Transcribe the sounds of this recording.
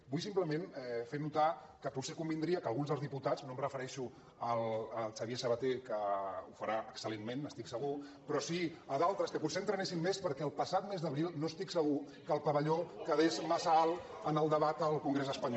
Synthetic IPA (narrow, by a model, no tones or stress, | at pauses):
bujsimpləmẽnɛfenut̪a | kəputsekumbind̪ɾiəkəlˠɣunzðəlˠzðiput̪ad͡znõmrəfəɾɛʃu | ələt͡ʃəβiesəβət̪ekəufəɾaʔəksəlenmenəst̪iksəɣupɾɔsiəðalˠt̪ɾəskəkunsent̪ɾənesimmespəɾkɛəlˠpəsat̪mezðəβɾilˠnost̪iksəɣ̞u | kəlˠpəβəʎokəðezməsalˠ | ənəlˠd̪əβat̪əlˠkuŋɡɾezəspəɲɔ